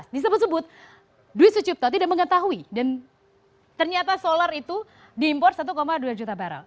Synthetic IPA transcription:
sbis̬abərsəbʊt̪̚ | duɪt̪̚sut͡ʃup̚t̪at̪̬idaʔ̚məŋət̪aɦuidan | t̪ərɲat̪asolaɾit̪u | diːmpɔrt̪̚sat̪̬ukomaduad͡ʒut̪abaɾa̰ŋ

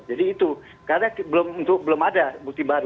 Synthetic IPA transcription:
d͡ʒadiːt̪u | kaɾnabəlomunt̪ʊk̚bəlomadabuk̚t̪ibaɾu

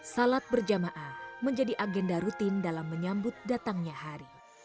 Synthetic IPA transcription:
salat̪̚bərd͡ʒamaʔaməɲd͡ʒadiʔaɡɛndaɾut̪ɪndalamːəɲambʊt̪̚dat̪aŋɲahaɾi

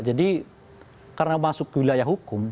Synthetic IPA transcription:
d͡ʒadi | karnamasʊkwilajaɦukʊm

